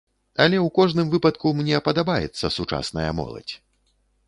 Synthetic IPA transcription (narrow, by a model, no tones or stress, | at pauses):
ɐlʲɛwkɔʐnɨmvɨpɐt̪kumnʲɛpɐd̪abajɛ̰t̪sːɐsut͡ʂa̰snɐjɐ̰mɔ̰lˠɐ̰t͡sʲ